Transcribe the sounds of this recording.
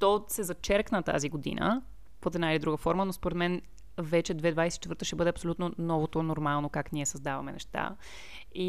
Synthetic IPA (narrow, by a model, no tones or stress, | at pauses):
t̪ɔsɛzɐt͡ʃɛɾknət̪a̰ziɡod̪ḭnə̰ | fot̪ɛd̪nailid̪ɾuɡəfɔɾmənospoɾɛd̪mɛn | vɛt͡ʃɛd̪vɛd̪vajsɛ̥t͡ʃɛt̪vəɾt̪əʃɛbɤd̪ɛɐpsolʲut̪nonɔvot̪onoɾmalˠnokakniɛsəzd̪avɐmɛnɛ̰ʃt̪a̰ | i